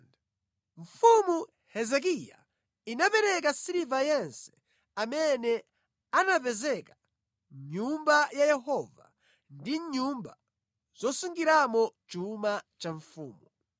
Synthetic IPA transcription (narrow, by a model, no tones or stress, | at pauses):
ɱ̩fumu | hɛzɛk̬ija̰ | inapɛɾɛk̬asiɾivajɛnsɛ̥ | amɛnɛ | anapɛzɛka | ɲumbajajɛɦɔva̰ | ndiɲumba | z̥ɔsuŋɡiɾamɔt͡ʃumat͡ʃaɱfṵːmu